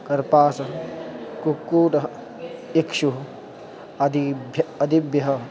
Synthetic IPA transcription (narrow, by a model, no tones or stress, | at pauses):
kɐɾpaːsɐ | kukːuːʈɐ | ikʃu | d̪iɐd̪ʱibjɐɦɐ